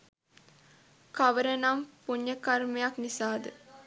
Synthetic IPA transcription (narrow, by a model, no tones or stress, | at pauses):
kaʋəɾənampuɲːəkarmejaknisaːd̪ə